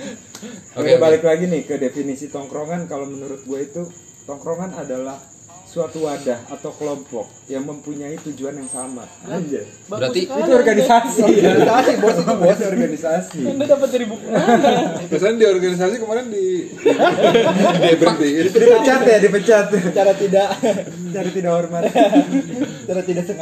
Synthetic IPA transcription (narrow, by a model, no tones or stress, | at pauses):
adabalɪklaɡinɪhkədefinisit̪ɔŋkɾoŋankalomənuɾʊt̪̚ɡuait̪u | t̪ɔŋkɾoŋanadalah | suat̪uwadahat̪awkəlɔmpɔk̚jaŋməmpuɲait̪ud͡ʒuanjaŋsama̰d͡ʒa | at̪iit̪uɔrɡanisasinsasibaasit̪ubaasdiɔrɡanisasidapət̪̚dɾibukn | kasaandiɔrɡanis̬asikəmaɾɛndi | ibdidipət͡ʃat̪jadipət͡ʃat̪t͡ʃaɾat̪idaʔ | t͡ʃaɾat̪idakɔrma | t͡ʃaɾat̪idak̚səŋ